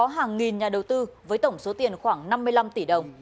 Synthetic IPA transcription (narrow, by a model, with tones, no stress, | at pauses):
ɔ˨˦ɦaː˨˩ŋːi˨˩nɲaː˨˩ɗə˨˩wt̪ɨ˧vəː˨˦jt̪ə˧˩wŋ͡mso˨˦t̪i˨˩ənxwaː˧˩ŋna˧mːɨ˧jla˧mt̪i˧˩ɗə˨˩wŋ͡m